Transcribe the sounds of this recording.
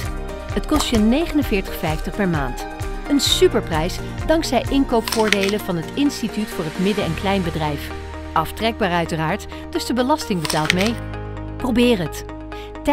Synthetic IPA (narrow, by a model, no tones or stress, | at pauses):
ɦətkɔstənejχənənvɪːɹtəχfɛjftəχpɛɹma̰ːnt | ənsypəɹprɛjs | dɑŋksɛjʔɪnkowpfʊːɹdejləvɑnɦətɪnstitytfʊːɹɦətmɪdəɛnklɛjnbədrɛjf | ʔɑftrɛɡ̚baːɹœɥtəraːɹt | d̥ɵsdəbəlɑstɪŋbətaːlˠtmej | prowbɪːrɦət | t